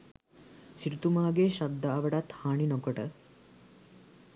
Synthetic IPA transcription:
t͡ʃiɾut̪umaːɡeːʃɐd̪ːaːʋɐɽat̪haːɳinɔkɔʈə

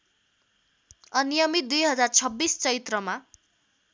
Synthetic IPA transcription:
ʌnijʌmit̪̚d̪ujɦʌd͡zart͡sʰʌbːist͡sʌit̪rʌma

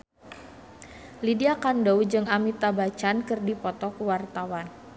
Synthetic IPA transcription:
lidiakandɔwd͡ʒɨŋamit̪abat͡ʃankɨrdipɔt̪ɔkuwart̪awan

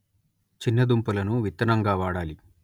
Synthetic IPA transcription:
t͡ʃinːɐd̪umpulɐnuʋit̪ːɐnɐŋɡaːʋaːɽaːli

